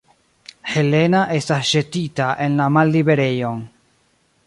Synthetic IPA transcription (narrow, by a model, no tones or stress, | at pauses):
he̞le̞naʔestasʒetitaʔenlamalːiβeɾejoŋ